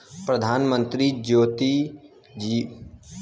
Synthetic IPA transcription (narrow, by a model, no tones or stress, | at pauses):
pɾəd̪ʱaːnmə̃nt̪ɾid͡ʒoːt̪i | d͡ʒiː